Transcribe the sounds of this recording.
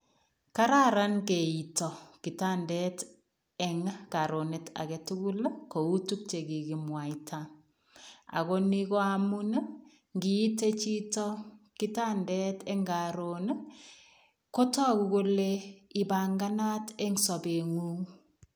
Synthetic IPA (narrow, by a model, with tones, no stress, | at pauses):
ka˦ɾa˦ɾa˦nke˨i˨tɔ˨ki˨ta˦ndɛt | ɛŋka˨ɾo˨neta̰˨kɛ˨tu˦ku˦lko˨u˦tu˦k̚t͡ʃe˨ɡi˨ɡi˨mwa˨itʰa | a̰˨ko˦ni˦kɔ˦amu˦na˦ | ŋɡiː˨˦te˦t͡ʃi˦tɔ˦ki˦ta˦ndɛ˦tɛ˦ŋɡaɾon | ko˦tɔ˦kuko˦leɪ˨ba˨ŋɡa˦na˦tɛ˦ŋsɔ˨be˨ŋu˦ŋ